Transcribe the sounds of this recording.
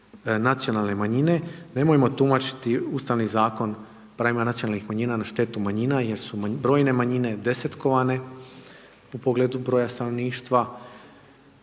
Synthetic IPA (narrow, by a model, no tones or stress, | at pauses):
nat̪sijo̞nalˠne̞maɲine̞ne̞mojemo̞t̪umat͡ʃi̥t̪iust̪aʋnizaːko̞n | pɾaːʋimanat̪sijonalnixmaɲiːnanaʃt̪e̞t̪umaɲinajeɾsubɾo̞ːjne̞maɲine̞d̪eset̪ko̞ʋane̞ | upo̞ɡle̞ːd̪ubɾo̞ːjast̪ano̞ʋniːʃt̪ʋa